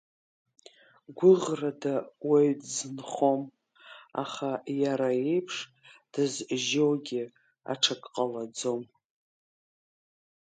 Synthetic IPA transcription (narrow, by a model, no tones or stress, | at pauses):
ɡʷʊʁradaweɥdzɨnχo̞m | a̰χajaɾae̞jpʰʂ | d̥ɨzʒowɡʲɪ | a̰ʈ͡ʂʰakʼqʼalad͡zom